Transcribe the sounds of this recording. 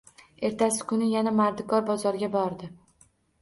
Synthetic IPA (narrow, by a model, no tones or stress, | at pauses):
e̞ɾt̪ʰasɪ̥kʰʊnɪjanamaɾd̪ɪkʰɒɾbɒzɒɾɡʲabɒɾd̪ɪ